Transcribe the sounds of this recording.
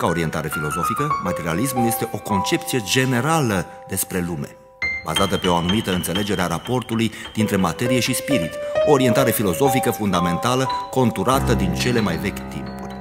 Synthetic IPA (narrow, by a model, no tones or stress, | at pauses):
kao̞ɾie̞nt̪aɾe̞filo̞zo̞fikəmat̪e̞ɾia̰lismulje̞st̪e̞ʔo̞ko̞nt͡ʃe̞pt̪sije̞d͡ʒe̞ne̞ɾalə | d̪e̞spɾe̞lume̞̰ | ba̰zat̪əpe̞o̞anumit̪əɨnt̪se̞le̞d͡ʒe̞ɾeaɾapo̞rt̪ulujd̪̥int̪ɾe̞mat̪e̞ɾije̞ʃispiɾit̪oːɾie̞nt̪aɾe̞filo̞zo̞fikəfund̪ame̞nt̪aləko̞nt̪uɾat̪əd̪int͡ʃe̞le̞majve̞kʲt̪ḭmpurʲ